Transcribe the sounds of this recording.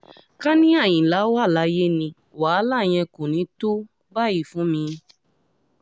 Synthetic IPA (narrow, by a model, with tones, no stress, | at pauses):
ka˦nĩ˦a˦˨j̃ĩ˨la˨˦wa˦˨la˦je˦nĩ˧ | wa˨˦la˦˨j̃ɛ̃˧ko˨nĩ˨˦to˦ | ba˦˨ji˦˨fũ˨˦mĩ˧